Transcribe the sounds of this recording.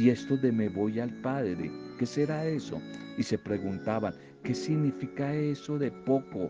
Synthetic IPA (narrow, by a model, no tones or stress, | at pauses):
ie̞st̪o̞ðe̞meβo̞jalpaðɾḛke̞seɾae̞so̞̰ise̞pɾe̞ɣunt̪aβaŋ | ke̞siɣnifikae̞so̞ðe̞po̞ko